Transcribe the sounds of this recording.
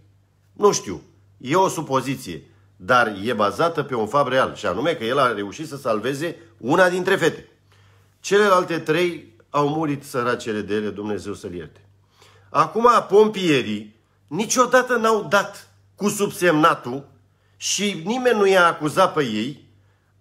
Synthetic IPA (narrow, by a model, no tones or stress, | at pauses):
nuʃt̪ḭw | je̞o̞supo̞zit̪sije̞̰ | d̪arje̞bazat̪əpe̞unfabre̞alʃia̰nume̞kəje̞lare̞uʃit̪səsalve̞ze̞unad̪int̪ɾe̞fe̞t̪e̞ | t͡ʃe̞le̞lalt̪e̞t̪ɾe̞j | awmuɾit̪səɾat͡ʃe̞le̞d̪ele̞d̪umne̞ze̞wsəlje̞̰rt̪e̥ | akumapo̞mpie̞ɾi | nit͡ʃʲo̞d̪at̪ənawd̪at̪ | kusubse̞mnat̪u | ʃinime̞nːujaːkuzat̪̚pe̞je̞j